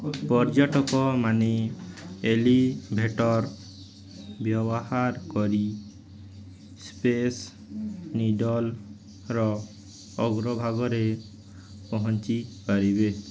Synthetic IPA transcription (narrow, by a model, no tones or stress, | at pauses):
pɔɾd͡ʒɔʈɔkɔmane | elibʱeʈɔɾ | bjɔbɔhaɾkɔɾi | spes | niɖɔl | ɾɔ | ɔɡɾɔbʱaɡɔɾe | pɔɦɔnt͡ʃipaɾibe